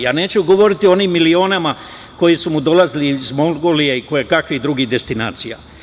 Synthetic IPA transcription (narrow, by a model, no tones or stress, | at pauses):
jaːne̞ːt͡ɕuɡo̞ʋo̞ɾit̪iooniːmːilio̞ːnama | ko̞jisumud̪o̞lazlizmolɡolijeiko̞jekakʋid̪ɾuɡid̪e̞st̪ina̰ːt̪sija̰